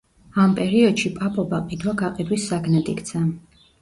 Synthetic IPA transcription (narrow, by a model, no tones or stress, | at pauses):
ampʼɛɾiɔd̪ʃipʼapʼɔbaqʼid̪waɡaqʼid̪wisːaɡnɛd̪ikt̪sʰa